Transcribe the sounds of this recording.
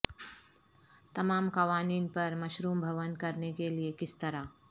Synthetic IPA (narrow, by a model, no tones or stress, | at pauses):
t̪ɐmaːmkɐʋaːniːnpɐɾmɐʃɾuːmbʱɐʋənkɐɾnekeliekɪst̪ɐɾaː